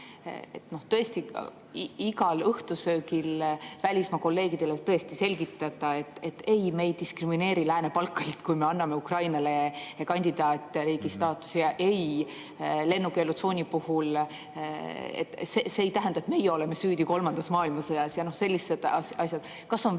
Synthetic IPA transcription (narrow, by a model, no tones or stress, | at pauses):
ḛt̪no̞ht̪ɤ̞e̞st̪ḭ | iɡɑlɤht̪usøːkilvælʲismɑko̞lːe̞ːɡid̪̥e̞let̪ɤ̞est̪ise̞lʲɡit̪ːˑɑd̪̥ɑe̞t̪ːˑe̞t̪ːe̞jme̞jd̪iskrimine̞ːɾilæːne̞pɑlkːɑlit̪kujme̞ɑnːɑme̞ukrɑjnɑle̞kɑnʲd̪̥ʲid̪ɑːt̪ʲˑɾiːɡist̪ɑːt̪ːˑu̥sjɑʔe̞j | le̞nːukelut̪so̞ːnʲipuhul | ḛt̪ːseseːjt̪æɦænd̪ɑet̪me̞jeo̞leme̞syːd̪̥iko̞lmɑnd̪̥ɑsmɑːilmɑsɤjɑsjɑno̞hse̞lːise̞d̪̥ɑsɑsjɑd̪̥ | kɑso̞n